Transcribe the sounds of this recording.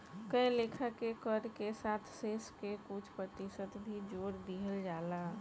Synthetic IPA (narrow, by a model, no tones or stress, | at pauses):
kəjlekʰakekəɾkesaːt̪ʰseːskekʊt͡ʃʰpɾət̪isət̪bʱid͡ʒoːɽd̪iɦəld͡ʒaːla